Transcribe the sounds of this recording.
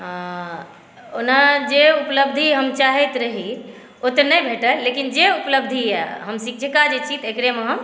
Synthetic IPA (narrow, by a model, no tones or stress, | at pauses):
ɦã | onad͡ʒeupləbd̪ʱiɦəmt͡ʃaɦɛt̪ɾəɦi | ot̪ənəjbʱeʈəlekind͡ʒeupləb̚d̪ʱiɛɦəmsik̚ʰd͡ʒʰʱekad͡ʒet͡ʃʰit̪ekɾemeɦəm